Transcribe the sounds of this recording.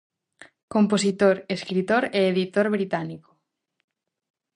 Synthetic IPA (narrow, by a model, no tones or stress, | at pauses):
komposit̪oɾeskɾit̪oɾeeðit̪oɾβɾit̪aniko̥